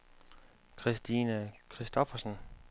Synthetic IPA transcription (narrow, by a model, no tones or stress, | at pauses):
kʰʁisd̥iːnəkʰʁisd̥ɔfɐsən